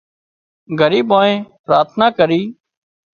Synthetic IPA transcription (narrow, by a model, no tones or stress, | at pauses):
ɡʱəɾiːɓoːẽːpɾaːt̪ʰnaːkəɾiː